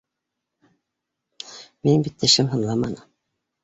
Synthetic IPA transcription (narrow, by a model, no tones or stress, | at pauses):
minbit̪ːɘ̆ʃɘmɦɤ̆nlˠɑmɑnɤ